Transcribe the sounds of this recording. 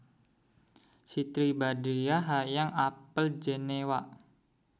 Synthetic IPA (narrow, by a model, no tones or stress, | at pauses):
sit̪ɾibadejaɦajaŋapəld͡ʒenewaʔ